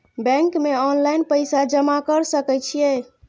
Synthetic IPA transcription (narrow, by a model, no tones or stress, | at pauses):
bɛ̃ŋkmeɔnlajnpəjsad͡ʒəmakəɾsəkɛt͡ʃʰije